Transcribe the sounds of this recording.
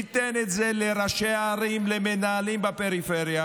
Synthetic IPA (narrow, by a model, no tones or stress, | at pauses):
it̪enet̪zeleɾaʃeaɾimlemenaːlimbapeɾifeʁja